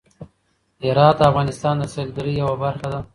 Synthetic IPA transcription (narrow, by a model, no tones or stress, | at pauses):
ɪɾɑːt̪̚d̪əafɣɑnɪst̪ɑːnd̪əsald̪aɾijawabaɾxad̪a